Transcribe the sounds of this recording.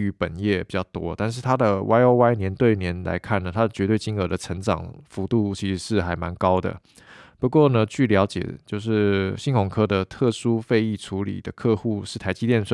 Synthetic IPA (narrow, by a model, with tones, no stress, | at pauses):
y˧˥pə̰˨˩njɛ˥˩pi˨˩t͡ɕɑ˥˩ʊt̪wɔ̰˥˦t̪a˥˧nʂ̬ɻ̩˥˩t̪ʰa˥d̪ə˨wʔa˥ɪo˥ʊwa˥ɪnjɛ˧˥nt̪we˥˩ɪnjɛ˧˥nla̰˧˥ɪkʰa˥˩nə˩t̪ʰa˥d̪ə˩t͡ɕɥɛ˧˥t̪we˥˩ɪt͡ɕi˥ŋə˧˥d̪ə˨ʈ͡ʂʰə˧˥ŋʈ͡ʂɑ̰˨˩ŋfu˧˥t̪u˥˩t͡ɕʰi˧˥ʂɻ̩˧˥ʂɻ̩˥˩xa˧˥ɪma˧˥nkɑ˥ʊd̪ə̰˨˩ | pu˧˥kwɔ˥˩nə˨t͡ɕʰy˥˩ljɑ˧˥ʊt͡ɕjɛ̰˨˩t͡ɕjo˥˧ʊʂɻ̩˥˩ɕi˥˧ŋkʰʊ˨˩ŋkʰɤ˥d̪ə˨t̪ʰɤ˥˩ʂu˥fe˥˧ɪi˥˩ʈ͡ʂʰu˧˥lḭ˨˩d̪ə˦kʰɤ˥˧xu˥˧ʂɻ̩˥˩t̪ʰa˧˥ɪt͡ɕi˥jɛ˥˧nʂə˥˩